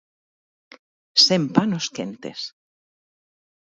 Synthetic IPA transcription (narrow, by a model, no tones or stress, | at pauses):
sempanoskent̪ḛs